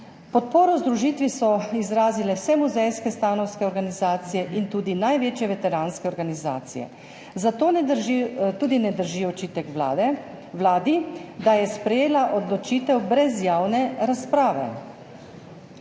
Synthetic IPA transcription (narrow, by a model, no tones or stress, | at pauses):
pɔt̪̚poːɾɔzd̪ɾuʒiːt̪ʋisɔizɾaːzilɛwsɛmuzɛjskɛst̪aːnɔwskɛɔɾɡanizaːt̪sijɛʔint̪uːd̪inajʋeːt͡ʃjɛʋɛt̪ɛɾaːnskɛɔɾɡaniza̰ːt̪sḭjɛ̰ | zat̪oːnɛd̪ɾʒit̪uːd̪inɛd̪əɾʒiɔt͡ʃit̪ɛkʋlad̪ɛ | wlaːd̪id̪ajɛspɾɛjeːlaʔɔd̪lɔt͡ʃiːt̪ɛwbɾɛzjaːwnɛɾaspɾaːʋɛ̰